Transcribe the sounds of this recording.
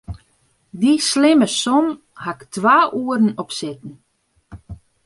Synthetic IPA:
dislɪməsɔm | haktʰʋaːʔuəɾn̩ɔpsɪtn̩

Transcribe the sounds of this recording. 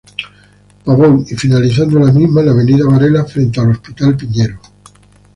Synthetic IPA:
paβowifinaliθand̪olamizmalaβ̞e̞niðaβaɾelafɾe̞nt̪ealo̞spit̪alpiɲeɾo

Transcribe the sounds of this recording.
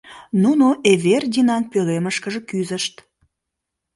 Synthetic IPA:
nunoʔeβerd̪ʲinɑnpøleməʃkəʒəkyzəʃt̪

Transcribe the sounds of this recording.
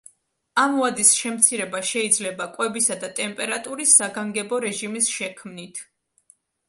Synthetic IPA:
amuad̪isʃɛmt̪sʰiɾɛbaʃɛid̪zlɛbakʼwɛbisad̪at̪ʼɛmpʼɛɾat̪ʼuɾisːaɡaŋɡɛbɔɾɛʒimisʃɛkʰmnit̪ʰ

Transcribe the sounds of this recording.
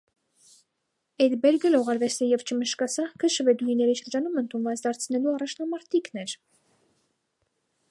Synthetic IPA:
ɛd̪bɛɾɡəlɔʁɑɾvɛst̪ɛjɛvt͡ʃʰəməʃkɑsɑkʰəʃəvɛd̪ujinɛɾiʃəɾd͡ʒɑnumənt̪ʰunvɑt͡sd̪ɑɾt͡sʰnɛluɑrɑt͡ʃʰnɑmɑɾt̪ʰiknɛɾ

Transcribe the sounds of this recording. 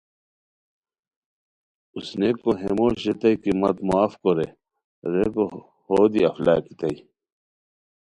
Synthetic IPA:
usnekːoɦemoːɕet̪ɐjkimɐt̪moaːfkoɾe | ɾeko | hoːd̪iɐfla̰ːki̥t̪ɐi

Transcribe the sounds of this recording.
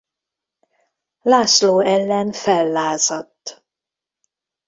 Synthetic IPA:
laːsloːɛlːɛnfɛlːaːzɒt̪ː

